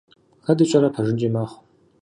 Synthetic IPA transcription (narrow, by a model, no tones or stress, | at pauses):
xɐdɨt͡ʃʼɐɾɐpʰɐʒɨnd͡ʒʼimaːχʷ